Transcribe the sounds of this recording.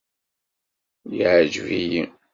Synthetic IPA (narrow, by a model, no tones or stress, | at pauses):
jiʕd͡ʒviji